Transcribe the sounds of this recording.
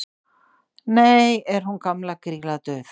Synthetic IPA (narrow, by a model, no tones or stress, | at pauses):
nejɛɾ̥hunkamlakɾiːlat̪œːθ